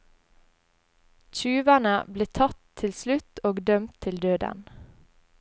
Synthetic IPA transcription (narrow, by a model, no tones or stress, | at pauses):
c͡çʉːʋænəbleːt̪ʰɑt̪ʰɪlslʉt̪oːɡd̪œmt̪ʰɪld̪øːd̪ə̰n